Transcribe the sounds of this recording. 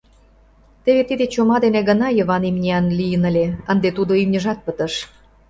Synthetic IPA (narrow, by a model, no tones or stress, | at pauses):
t̪eβet̪id̪et͡ɕomɑd̪eneɣə̆nɑjəβɑnimnʲiɑnlijənəlʲeənd̪et̪ud̪oymnʲə̆ʒɑt̪̚pət̪ə̆ʃ